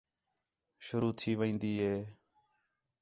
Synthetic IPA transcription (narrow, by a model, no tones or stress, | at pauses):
ʃʊɾuːt̪ʰiːʋĩːnd̪iːɦeː